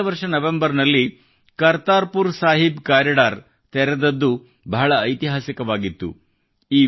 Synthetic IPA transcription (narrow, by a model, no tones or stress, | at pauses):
ɐʋɐɾʂɐnɐʋembɐɾnɐlːi | kɐɾt̪aːɾpuɾsaːɦibkaːɾiɖaːɾ | t̪ɛɾɛd̪ɐd̪ːu | bɐɦɐɭɐːjt̪iɦaːsikɐʋaːɡit̪ːṵ | iː